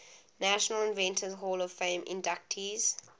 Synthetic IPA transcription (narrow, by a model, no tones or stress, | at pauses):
næʃənəlɪ̃nvɛ̃ntʰəzɦɔːlɔv̥fẽɪ̃mʔɪ̰̃ndak̚tʰiz̥